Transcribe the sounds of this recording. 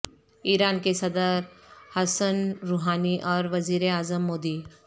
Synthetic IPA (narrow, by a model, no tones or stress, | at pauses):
iːɾaːnkesɐd̪əɾhɐsənɾuɦaːniʔɔːɾʋɐziːɾeaːzəmːoːd̪i